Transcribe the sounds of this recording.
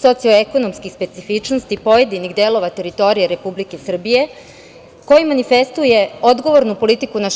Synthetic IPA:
so̞t̪sioeko̞no̞mskixspe̞t̪sifit͡ʃnost̪ipo̞je̞d̪iniɣd̪e̞lo̞ʋat̪e̞ɾit̪o̞ɾijeɾe̞publike̞sr̩bije̞ | ko̞jimanife̞st̪uje̞o̞d̪ɡo̞ʋo̞ɾnupo̞lit̪ikuna

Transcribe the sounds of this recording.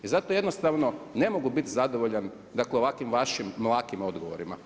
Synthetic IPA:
izat̪oje̞d̪nost̪aʋno̞ne̞mo̞ɡubit̪zad̪oʋoʎan | d̪akleo̞ʋakʋimʋaʃimːlˠaːkimo̞d̪ɡo̰ʋoɾima̰

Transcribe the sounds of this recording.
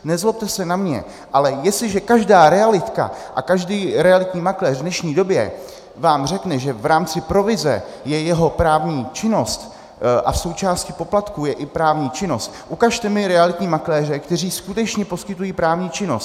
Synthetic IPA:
nɛzlop̚t̪ɛsɛnamɲɛ̰ | ʔalɛjɛstlɪʒɛkaʒdaːɾɛalɪt̪ka̰ʔa̰kaʒdiːɾɛalɪt̪ɲiːmaklɛːrdnɛʃɲiːdo̞bjɛ̰ | vaːmr̝ɛknɛʒɛvɾaːmt͡sɪpɾo̞vɪzɛ̰jɛjɛɦo̞pɾaːvɲiːt͡ʃɪno̞st̪ | ʔa̰fso̞wt͡ʃaːscɪpo̞plat̪kujɛʔɪpɾaːvɲiːt͡ʃɪno̞st̪ʔukaʃt̪ɛmɪɾɛalɪt̪ɲiːmaklɛːr̝ɛkt̪ɛr̝iːskut̪ɛt͡ʃɲɛpo̞skɪt̪ujiːpɾaːvɲiːt͡ʃɪno̞st̪

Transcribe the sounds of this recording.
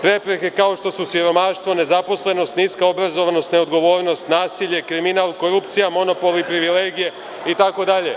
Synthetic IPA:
pɾe̞pɾeke̞kao̞ʃt̪o̞susiɾo̞maːʃt̪ʋo̞ne̞zapo̞sle̞no̞st̪niːskao̞bɾazo̞ʋano̞st̪ne̞od̪ɡo̞ʋo̞ːɾno̞st̪naːsiʎe̞kɾiminalˠko̞ɾupt̪sijamo̞no̞po̞lipɾiʋile̞ːɡije̞ | it̪ako̞d̪aʎe̞̰

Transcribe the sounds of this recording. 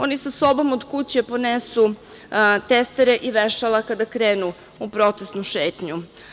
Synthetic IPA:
o̞nisaso̞bo̞mod̪kut͡ɕepo̞nesu | t̪est̪eɾeʔiʋeʃalˠakad̪akɾeːnu | upɾo̞t̪esnuʃeːt̪ɲu

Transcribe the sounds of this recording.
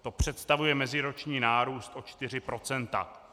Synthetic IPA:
t̪o̞pr̝̥ɛt̪st̪avujɛmɛzɪɾo̞t͡ʃɲiːnaːɾuːst̪ʔo̞t͡ʃt̪ɪr̝ɪpɾo̞t͡sɛnt̪a̰

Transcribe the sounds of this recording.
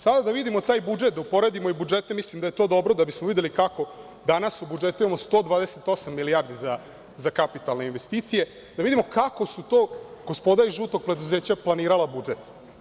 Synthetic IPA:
sad̪ad̪aʋid̪imo̞t̪aːjbud͡ʒet̪̚d̪aupo̞ɾed̪imo̞ibud͡ʒet̪emislimd̪aje̞t̪o̞ːd̪o̞bɾo̞d̪abismoʋid̪e̞likako̞ | d̪anasubud͡ʒe̞t̪uje̞most̪o̞ːd̪ʋaːd̪eset̪o̞samːiliaːɾd̪iza | zakapit̪alneinʋe̞st̪iːt̪sije̞ | d̪aʋid̪imo̞kako̞sut̪o̞ːɡospo̞d̪aɾiʒuːt̪o̞ɡ̚pɾe̞d̪uze̞ːt͡ɕaplˠaniːɾalabud͡ʒet̪

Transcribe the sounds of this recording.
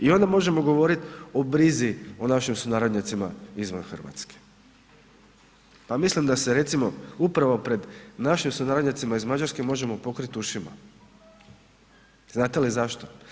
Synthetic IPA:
io̞nd̪amo̞ʒe̞mo̞ɡo̞ʋo̞ɾit̪obɾizio̞naʃimsunaɾod̪ɲat̪simaizʋanxr̩ʋa̰t̪ske̥ | pamislimd̪aseɾe̞t̪simo̞upɾaʋo̞pɾe̞d̪naʃimsunaːɾod̪ɲat̪simaizmad͡ʑaɾskemo̞ʒe̞mo̞po̞kɾit̪uʃima̰ | znaːt̪elizaʃt̪o

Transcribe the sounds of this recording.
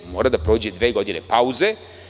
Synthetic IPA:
moːɾad̪apɾoːd͡ʑed̪ʋeːɡo̞d̪inepauze

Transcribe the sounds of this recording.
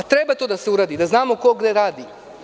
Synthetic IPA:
at̪ɾebat̪oːd̪aseuɾaːd̪id̪aznaːmo̞ko̞ɡd̪e̞ɾaːd̪i

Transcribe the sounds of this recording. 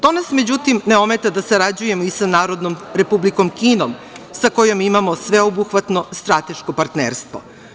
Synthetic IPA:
t̪o̞nasmed͡ʑut̪imneo̞me̞t̪ad̪asaɾad͡ʑuje̞moisanaːɾo̞d̪nomɾe̞publiko̞mkiːnomsako̞jo̞mimamo̞sʋe̞obuxʋat̪no̞st̪ɾat̪e̞ʃkopaɾt̪neːɾst̪ʋo̰

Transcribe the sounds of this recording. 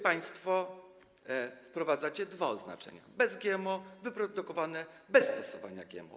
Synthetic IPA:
paj̃st̪fɔ | fpɾɔvad̪zat͡ɕɛd̪vaɔzna̰t͡ʂɛ̰ɲa̰bɛzɡʲjɛmɔvɘpɾɔd̪ukɔvanɛ | bɛsːt̪ɔsɔva̰ɲa̰ɡʲjɛ̰mɔ̰

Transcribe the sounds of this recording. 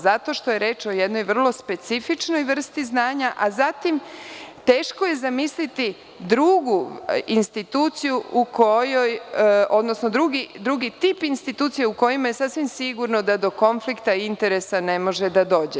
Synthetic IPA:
zat̪o̞ʃt̪o̞je̞ɾe̞ːt͡ʃo̞je̞d̪no̞jʋr̩lˠo̞spe̞t̪sifit͡ʃno̞jʋr̩st̪iznaːɲaʔazat̪imt̪e̞ːʃko̞je̞zamislit̪i | d̪ɾuɡuinst̪it̪uːt̪sijuukojojo̞d̪no̞sno̞d̪ɾuɡid̪ɾuɡit̪ipinst̪it̪uːt̪sijeuko̞jimaje̞sasʋimsiɡuɾno̞d̪ad̪o̞ko̞nflikt̪aint̪e̞ɾesane̞mo̞ʒed̪ad̪o̞ːd͡ʑe

